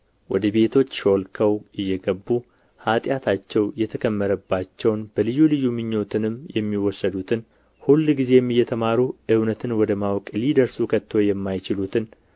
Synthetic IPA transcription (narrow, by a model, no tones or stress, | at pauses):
wɔd̪əbe̞t̪ʰo̞t͡ʃːʃo̞lkʰəwʔɨjːɛɡəbːu | hat̪ʼjat̪ʰat͡ʃːɛwjɛt̪ʰəkʰəmːəɾəbːat͡ʃːɛwnbəlɨjulɨjumɨɲːo̞t̪ʰɨnɨmjɛmːiwɔsːəd̪ut̪ʰɨn | hulːɡize̞jɛmːɨjːɛt̪ʰəmaɾuʔɨwnət̪ʰɨnwɔd̪əmawkʼlid̪əɾsukʰət̪ʰːojɛmːajt͡ʃɪlut̪ʰɨn